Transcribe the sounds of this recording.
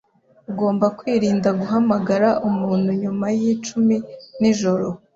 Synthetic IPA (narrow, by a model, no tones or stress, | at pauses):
uɡo̞ːmbakwiːɾiːndaɡuɦamaɡaɾaʔumuːnhuɲumajit͡ʃuminiʒo̞ɾo̞